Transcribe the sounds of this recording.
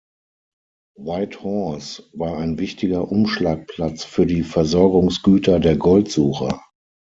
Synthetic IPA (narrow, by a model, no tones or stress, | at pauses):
waɪthɔsvaːɐaɪnvɪçtɪɡɐʔʊmʃlaːk̚pʰl̥at͡sfyːɐdiːfɛɐzɔɐɡʊŋsɡ̥yːtʰɐdeːɐɡɔltz̥uːxɐ̰